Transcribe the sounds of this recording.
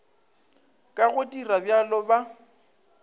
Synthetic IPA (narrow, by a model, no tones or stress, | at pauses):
kʼaɣʊtʼirabjalɔba